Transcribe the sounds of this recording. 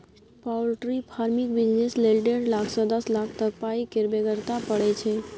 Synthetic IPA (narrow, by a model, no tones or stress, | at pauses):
pawlʈɾipʰaɾmik̚bid͡ʒneslelʈeɽlakʰsɔd̪əslakʰt̪əkpaikeɾbeɡəɾt̪apəɭet͡ʃʰe